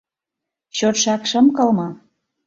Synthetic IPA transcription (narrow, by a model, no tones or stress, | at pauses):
ɕot̪ʃɑkʃə̆mkɤ̆lmɤ